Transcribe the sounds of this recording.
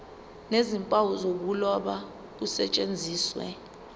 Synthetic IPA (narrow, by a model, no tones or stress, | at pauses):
nezimpʼawuzok̬ulɔɓa | k̬usɛ̰t͡ʃʼend͡zʱiːswɛ̰